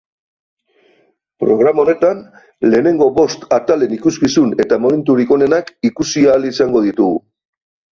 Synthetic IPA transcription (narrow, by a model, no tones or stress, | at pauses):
pɾo̞ɣ̞ɾamaone̞t̪an | le̞ːne̞ŋɡo̞βo̞st̪at̪ale̞nikuskisune̞t̪amo̞me̞nt̪uɾiko̞ne̞nakikusiaːlisaŋɡo̞ðit̪uɣṵ